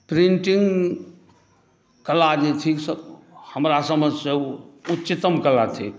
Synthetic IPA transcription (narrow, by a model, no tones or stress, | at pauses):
pɾiɳʈiŋɡ | kəlad͡ʒet̪ʰiksəhəmɾasəməd͡ʒʱseutːt͡ʃit̪əmkəlat̪ʰik